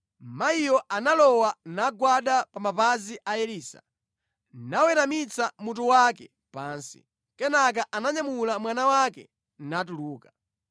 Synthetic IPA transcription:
maijɔanalɔwanaɡwaɗapamapaziʔajɛliːsa̰ | nawɛɾamit͡samut̬uwakɛ | paːnsḭ | kɛnak̬aʔanaɲamulamwanawakɛ̰ | natuluːka

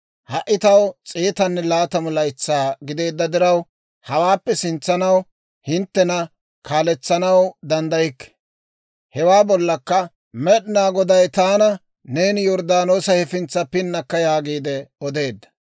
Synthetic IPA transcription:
hɐʔːɪt̪ɐwt͡sʼiːt̪ɐnːɛlaːt̪ɐmʊlɐjt͡sːaːɡɪd̪e̞ːd̪ːɐd̪ɪɾɐw | hɐwaːpːɛsɪnt͡sːɐnɐw | hɪnt̪ːɛnɐ | kaːlɛt͡sːɐnɐwd̪ɐnd̪ɐjɪkːɛ̥ | hɛwaːbɔlːɐkːɐ | mɛɗɪnaːɡɔd̪ɐjt̪aːnɐ | ne̞ːnjɔɾd̪aːno̞ːsɐhɛfɪnt͡sːɐpɪnːɐkːɐjaːɡiːd̪ɛɔd̪e̞ːd̪ːɐ̥

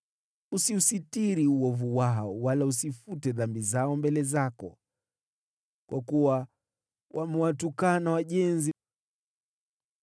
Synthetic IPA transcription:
usiusitiɾiuɔvuwaɦɔwalausifutɛðambizaɔmbɛlɛzakɔ̰ | kwʔakuwa | wʔamɛwatukanawaʄɛnzi

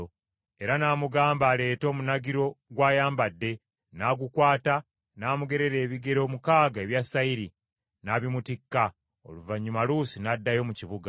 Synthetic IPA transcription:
o | e̞ɾanaːmuɡaːmbaːle̞ːto̞ːmunaɡiɾo̞ɡwaːjaːmbadːe̞ | naːɡukwaːta | naːmuɡe̞ɾe̞ɾe̞ːβiɡe̞ɾo̞ːmukaːɡae̞βjasːaiɾi | naβimutikːa | o̞̰luvaɲːumalusinadːajo̞ːmuciβuɡa

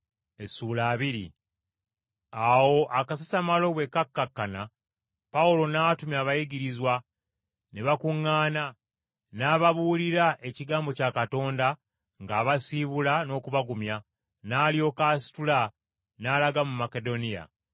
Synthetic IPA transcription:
e̞suːlaːβiɾḭ | awo̞ʔakasasamalo̞βwe̞kːakːakːana | paulo̞naːtumjaːβajiɡiɾizwa | neβakuŋːaːna | naːβaβuːliɾaʔe̞ciɡaːmbo̞caːkato̞ːnda | ŋɡaːβasiβulano̞ːkuβaɡumja | naːljo̞kasi̥tula | naːlaɡamumake̞do̞nija̰

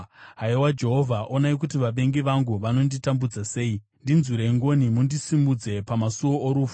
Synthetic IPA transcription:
ɦaiwad͡ʒe̞ɦo̞vʱaʔo̞naik̬utiʋaɓe̞ŋɡiʋaŋɡuʋano̞nditambud͡zase̞ːi | ndinzuɾeŋɡo̞nimundisimbud͡ze̞pamasuwooɾuːfu

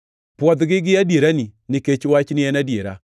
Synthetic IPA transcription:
pwɔd̪ɡɪɡɪadjeɾaninɪket͡ʃwat͡ʃnɪɛnadjeɾa̰

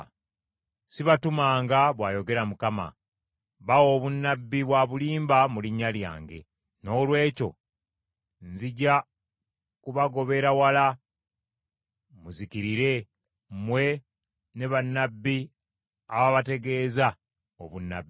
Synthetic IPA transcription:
siβatumaːŋɡaβwaːjo̞ɡe̞ɾamukama̰ | βawo̞ːβunːabːiβwaːβuliːmbamuliɲːalja̰ːŋɡe̞̰ | no̞ːlwe̞ːco̞̰ | nziɟa | kuβaɡo̞βe̞ɾawala | muzikiɾiɾe̞ | mwe̞ | ne̞βanːabːi | aβaβate̞ɡe̞ːza | o̰βunːa̰bːi

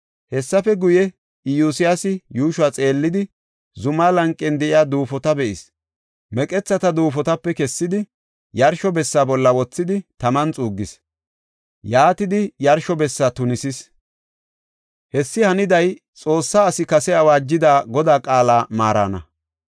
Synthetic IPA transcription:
hɛsːɐfɛɡʊjɛ | ɪjusɪjasɪjuːʃʊaːt͡sʼe̞ːlːɪd̪ɪ | zʊmaːlɐŋkʼːɛnd̪ɛʔɪjaːd̪uːfɔt̪ɐbɛʔɪs | mɛkʼɛt͡sːɐt̪ɐd̪uːfɔt̪ɐpːɛkɛsːɪd̪ɪ | jɐɾʃɔbɛsːaːbɔlːɐwɔt͡sːɪd̪ɪt̪ɐmɐnt͡sʼuːɡːɪs | jaːt̪ɪd̪ɪjɐɾʃɔbɛsːat̪ʊnɪsɪs | hɛsːɪhɐnɪd̪ɐj | t͡sʼo̞ːsːaːsɪkɐsɛɐwaːd͡ʒːɪd̪aːɡɔd̪aːkʼaːlaːmaːɾa̰nɐ̰

